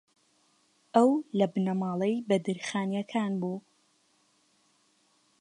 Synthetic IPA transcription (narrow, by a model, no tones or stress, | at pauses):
ʔɐwlɐbɨnɐmɑːlˠejbɐd̪ɨɾxaːnjɐkʰaːnbuː